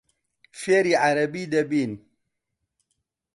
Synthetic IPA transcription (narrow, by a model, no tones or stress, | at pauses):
feɾiʕaɾɐbid̪ɐbin